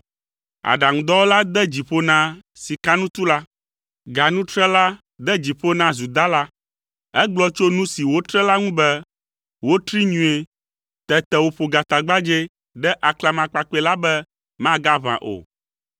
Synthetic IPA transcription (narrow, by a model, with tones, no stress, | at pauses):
a̰˨ɖa˨ŋũ˨d̪ɔ˦wo˦la˦d̪ɛ˦d͡ʑi˨ɸo˦nã˦ | si˨ka˦nũ˦t̪u˦la˦ | ɡa˨nũ˦t̪ɾɛ˦la˦ | d̪ɛ˦d͡ʑi˨ɸo˦nã˦zu˨d̪a˦la˦ | ɛ˦ɡ͡blɔ˦t͡ʃo˦nũ˦si˨wo˦t̪ɾɛ˦la˦ŋũ˦bɛ˦ | wo˦t̪ɾi˦ɲũ˨˦e˨ | t̪ɛ˦t̪ɛ˨wo˦ɸo˨ɡa˨t̪a˨ɡ͡ba˦d͡ʒe˦ | ɖɛ˦ʔa˨kla˦mã˨k͡pa˨k͡pe˨la˦bɛ˦ | mã˦ɡa˦βã̰˨ʔo̰˨